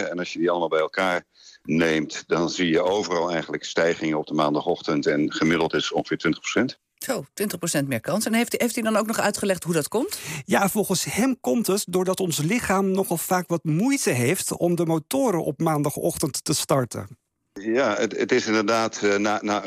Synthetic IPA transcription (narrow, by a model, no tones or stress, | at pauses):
ɛnɑsjədiɑlˠəmaːlˠbɛjɛlˠkaːɹ | nejmtdɑnzijəʔowvərɑlˠɛjχənləkstɛjχɪŋəɔb̚dəmaːndɑχɔχtəntɛnχəmɪdəl̩ˠtɪsɔ̰̃ŋχə̥fɪːtʋɪntə̥χprosɛnt | z̥owtʋɪntəχprosɛntmɪːɹkɑnsɛnɦejftejftidɑnowknɔχœɥtχəlɛχtɦudɑtkɔmtjaːv̥ɔlˠχənshɛmkɔmtətdʊːɹdɑtɔnslɪχaːmnɔχɑlˠfaːkʋɑtmujtəɦejftɔmdəmowtʊːɾəʔɔ̰p̚maːndɑχɔ̰χtəntːəstɑɹtə̰ | jaəətɪsɪndəɹdaːtnana